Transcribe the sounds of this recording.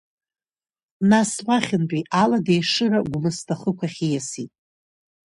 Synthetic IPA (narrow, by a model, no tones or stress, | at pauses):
naswaχʲɪnpʼiʔaladejʂɨraɡʷʊmɨstʰaχəkʷʰaχʲijasitʼ